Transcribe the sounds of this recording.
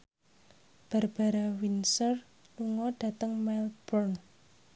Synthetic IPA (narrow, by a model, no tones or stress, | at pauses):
b̥a̤rb̥a̤ɾawinsər | luŋɔɖ̥ä̤t̪əŋmalb̥ɔrn